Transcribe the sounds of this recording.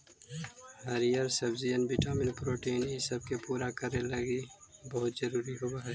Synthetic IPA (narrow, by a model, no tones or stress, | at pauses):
haɾijəɾsɐbzijənbɪʈaːmɪnpɾoːʈiːnisɐb̚kepuːɾakɐɾelɐɡibɐɦʊt̪zɐɾuːɾiɦowaɦɛː